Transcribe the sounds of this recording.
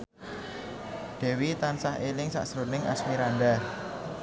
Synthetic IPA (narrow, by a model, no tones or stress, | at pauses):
d̥ɛ̤wit̪ansahelɪŋsa̰ʔsɾunɪŋʔa̰smiɾanɖa